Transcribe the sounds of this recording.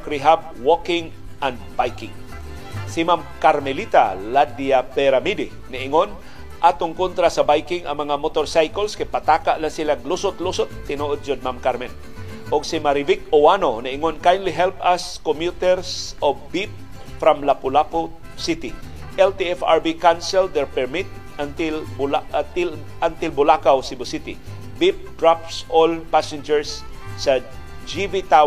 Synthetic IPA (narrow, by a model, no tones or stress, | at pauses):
kɾiɦab̚wokɪŋ | ʔand̪bajkɪŋ | simamkaɾmɛlit̪a̰lad̪iapɛɾamid̪ɪ | nɪʔɪŋon | ʔat̪ʊŋkont̪ɾasabajkɪŋa̰ŋmɐŋamot̪oɾsajkolskapat̪akaʔlaŋsilaɡ̚lʊsʊt̪lusʊt̪ːɪnoʔod̪̚t͡ʃod̪̚mamkaɾmɛn | ʔʊɡsimaɾivɪk̚owanonɪʔɪŋonkajndliɦɛlpaskomjut̪ɛɹsɔvbip̚ | fɾamlapʊlapo | sɪt̪ɪ | ʔɛlt̪iɛfaɹbikansɛld̪ɛɹpɛɹmit̪̚ | ant̪ɪlbaɪl | ant̪ɪlbʊlakawsɪbʊsit̪ɪ̰ | bip̚d̪̥ɹap̚solpasɛ̃nd͡ʒɛɹsːa | d͡ʒivit̪aw